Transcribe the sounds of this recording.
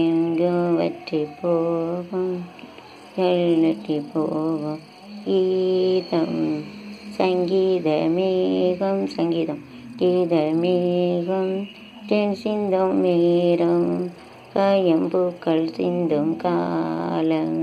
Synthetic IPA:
eŋɡɯʋɐ̰ʈɾipoːʋɐm | jɐlːɐʈɾipːoːʋɐm | ɡiːðɐm | sɐŋɡiːðɐmeɣɐmsɐŋɡiːðɐm | ɡiːðɐmeɣɐm | tensɪnd̪omːeɾɐm | kɐjɐmpukːɐlsɪnd̪ɐmkalɐ

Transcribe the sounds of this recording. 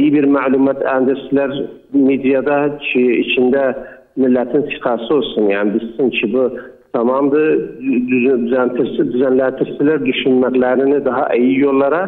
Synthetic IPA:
jibiɾmælumɑt̪ʰænd̪ɪɾsɪlæɾ | med̪ijɑd̪ɑt͡ʃʰiit͡ʃʰind̪æ | mɪlːæt̪ʰɪnsi̥qʰɑsɯolˠsunjaʕnɪbissɪnt͡ʃʰɪbu | t̪ʰɑmɑmd̪ɯ | d̪yzænt̪ʰɾsd̪yzænlænt̪ʰɪɾsɪlæɾd̪yʃynmæɡlæɾɪnɪd̪ɑɦɑʔejijolˠːɑɾɑ

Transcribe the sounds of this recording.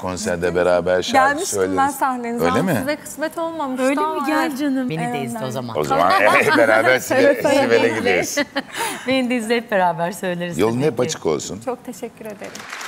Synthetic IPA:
kʰo̞nsæɾd̪ɛbeɾaːbæɾʃælʲmiʃøjleænsahlʲeniø̰jlʲemɪvɛkʰɯ̥smɛt̪ʰo̞lˠmamɯʃøjlʲemiɟælʲd͡ʒanɯmbenid̪eiziozamano̞za̰ma̰nbeɾaːbæɾsisivelɛɟid̪eɾisbenimd̪eizlʲɛt̪̚be̞ɾaːbæɾsø̞jlʲeɾizjolˠunhɛpat͡ʃʰɯ̥kʰo̞̰lˠsunt͡ʃʰok̚t̪ʰeʃɛcʲːyɾe̞d̪eɾim

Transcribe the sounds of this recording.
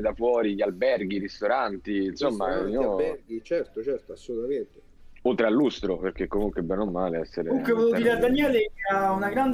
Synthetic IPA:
ed̪afwɔːɾiʎalbɛrɡiɾist̪oɾant̪iːnsomːaabɛrɡit͡ʃɛrt̪ot͡ʃɛrt̪oasːolut̪ament̪e | ot̪ːɾalːust̪ɾoperk̟ekːomuŋkwebːɛnomːaːleɛsːeɾeuŋkwevot̪uiːɾad̪anjɛːleɛaunaɡɾan

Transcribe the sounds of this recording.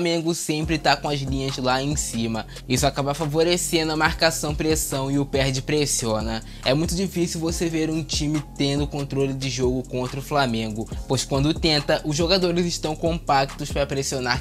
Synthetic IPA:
mẽɡʊsẽmpɾɪt̪akõɐzlĩɲɐzlaẽj̃sĩmɐ | isʊakabafavoɾesẽnd̪ʊɐmaɾkasɐ̃w̃pɾesɐ̃w̃ɪʊpɛɾd͡ʒɪpɾesiõnɐ | ɛmũj̃t̪ʊd͡ʒifisiwvoseveɾũt͡ʃĩmɪt̪ẽnd̪ʊkõnt̪ɾolɪd͡ʒɪʒoɡʊkõnt̪ɾɐʊflamẽŋɡʊpojʃkwɐ̃nd̪ʊt̪ẽnt̪ɐʔʊzʒoɡad̪oɾɪzɪʃt̪ɐ̃w̃kõmpak̚t̪ʊspɾɐpɾesionaɾ

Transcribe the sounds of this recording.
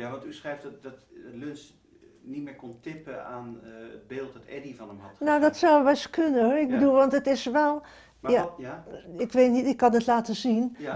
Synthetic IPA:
jaʋɑntysχrɛjfddɔtdtløns | nitmɪːɹkontʰɪpəaːnəd̚beːlˠt̚dɔtɛ̰divɑnəmhɔ̰tnowdɔtsawʋɛskʰønəhɪk̚bədulˠʋɑntətɪsʋɛlˠ | ja | ɪkʋeːtnitɪkːɑnətlaːtəzin

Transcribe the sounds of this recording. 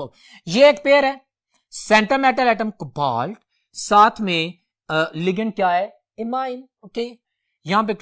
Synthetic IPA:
jeeːkpeːəɾɦɛː | sɛ̃ːɳʈəmeːʈəlɛːʈəmkba̰ːlʈ | saːt̪ʰmẽ | lɪɡəɳ̚kjaːɦɛː | ɪmãːɪn | oːkeː | jɐɦãːpek

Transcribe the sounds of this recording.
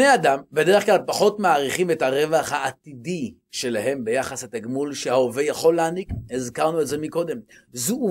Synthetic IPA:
nejadambe̞de̞eχklalpaχo̞tmaːʁiχimethaʁe̞vaχhaːtidi | ʃe̞laɦe̞mbe̞jaχaset̪aɡmulʃehaovejaχo̞leanikizkaʁnuetzemiko̞d̪e̞mzuu

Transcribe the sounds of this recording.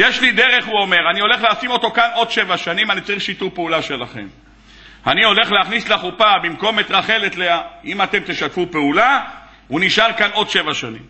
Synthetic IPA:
jeʃlid̪e̞ʁe̞χuo̞me̞ʁanio̞le̞χleasimo̞t̪o̞kano̞d̪ʃe̞vaʃanimanit͡saʁiχʃit̪upeulaʃe̞laχe̞̰m | anio̞le̞χleaχnislaχupabimko̞met̪ʁaχe̞let̪leaimat̪e̞mt̪eʃat̪fupeula | uniʃaʁkano̞d̪ʃe̞vaʃanḭm

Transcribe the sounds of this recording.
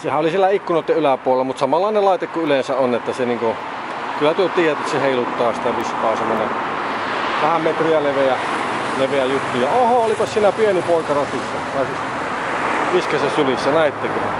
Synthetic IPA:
sehæʔolisielæikːunoˑit̪ːeʔʔylæpuolelːɑmut̪sɑmɑlːˑɑˑnelɑˑit̪ekkuylensæʔonet̪ːæseniːŋko | kylːæt̪yøt̪iːjæt̪ːˑæt̪seheˑilut̪ːɑːsi̥t̪æʋiskɑːsemːonḛ | ʋæhæmmet̪riæleʋeæ | leʋeæjut̪ːujɑohɑolipɑssiːnæpienipoˑikɑrɑt̪isːɑpɑˑesis | ʋiskesɑsylisːænæˑit̪ːekylæ̰

